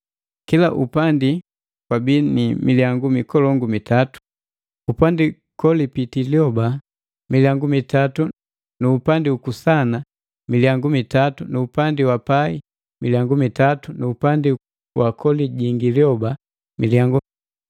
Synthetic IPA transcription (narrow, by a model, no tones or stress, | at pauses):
kilaʔupandi | kwabiːnimilijaŋɡumikɔlɔŋɡumitatu̥ | upandi | kɔlipitiljɔba | miljaŋɡumitatu | nuːpandiukusana | miljaŋɡumitatunuupandiwapai | milijaŋɡumitatunuupandi | wakʰɔliɟiŋɡiljɔba | miljaŋɡu